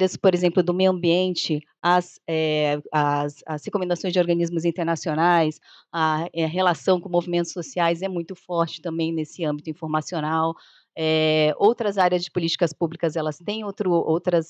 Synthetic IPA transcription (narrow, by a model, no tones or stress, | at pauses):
ɾɐspoɾezẽmplʊd̪ʊmejwɐ̃mbiẽnt͡ʃɪ | ɐsɛɐsɐshekomẽnd̪asõj̃zd͡ʒoɾɡɐ̃nizmʊzĩnt̪eɾnasionajs | ɐɛɦelasɐ̃w̃kõmovimẽnt̪ʊ̥sosiajzɛmũj̃t̪ʊfɔɾt͡ʃɪ̥t̪ɐ̃mbẽj̃nesɪɐ̃mbit̪ʊĩfoɾmasionaw | ɛowt̪ɾɐzaɾjɐzd͡ʒɪpolit͡ʃi̥kɐspublikɐzɛlɐst̪ẽj̃owt̪ɾʊʔowt̪ɾɐs